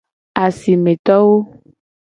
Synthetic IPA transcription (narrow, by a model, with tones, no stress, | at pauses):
a˨si˨mẽ˨t̪ɔ˦wo˦